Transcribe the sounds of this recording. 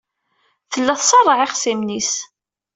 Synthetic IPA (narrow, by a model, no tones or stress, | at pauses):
θəlːæθsˤɑrˤːəʕɪχsimnis